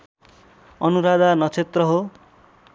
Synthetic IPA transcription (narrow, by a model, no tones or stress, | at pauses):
ʌnuɾad̪anʌt͡sʰet̪rʌɦo